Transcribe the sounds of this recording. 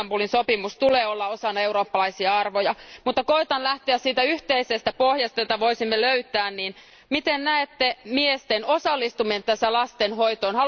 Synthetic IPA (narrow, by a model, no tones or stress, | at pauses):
mpulinsopimust̪uleːolːɑosɑnːɑeuɾoːpːɑlɑisiɑɑrʋojɑmut̪ːɑkoit̪ɑnlæht̪eæssiːt̪æyht̪eisest̪æpohjɑst̪ɑjot̪ɑʋoisimːeløyt̪ˑæːnniːn | mit̪ennæet̪ːemiest̪enosɑlːist̪umient̪æsælɑst̪enhoit̪oːnhɑ